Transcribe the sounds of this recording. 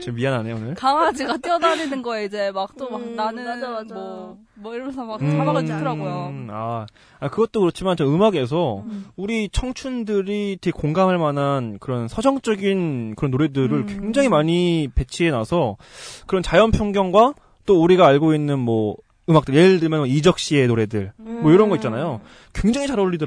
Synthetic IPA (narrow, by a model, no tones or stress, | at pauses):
t͡ɕimːianɦanejoonɯɭkaŋad͡ʑiɡat͈iʌdaninɯnɡʌeid͡ʑe̞mak̚t͈omaknanɯaaao | mʌiɾʌmesʰʌmakɯaaɯɾaojoa | akɯɡʌt̚t͈okɯɾʌt͡ɕʰimant͡ɕʌɯmaɡe̞s̬ʰʌuɾit͡ɕʰʌŋt͡ɕʰundɯɾitʰeɡekoŋɡamɦaɭmanɦankɯɾʌnsʰʌd͡ʑʌŋt͡ɕ͈ʌɡinkɯɾʌnːoɾe̞dɯɾɯɭkwe̞ŋd͡ʑaŋɦimaɲipe̞t͡ɕʰie̞nasʰʌ | kɯɾʌnt͡ɕajʌnpʰjoŋɡjʌŋɡwa | t͈ouɾiɡaːɭɡoinːɯnmwʌ | ɯmak̚t͈ɯɭjeɯɭdɯɭmjʌnmʌid͡ʑʌk̚ɕ͈ie̞noɾe̞dɯɭmʌiɾʌnɡʌit̚t͡ɕanajo | kwe̞ŋd͡ʑaŋit͡ɕaɾʌɭːʎːidɯ